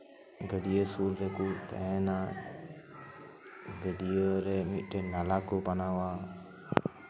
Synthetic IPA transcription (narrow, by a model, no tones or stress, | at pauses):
ɡəɖijəsulɾɛkut̪ɛ̰ɛ̃na | ɡəɖijəɾɛmit̪̚ˀɖɛnalaɡɔpanawa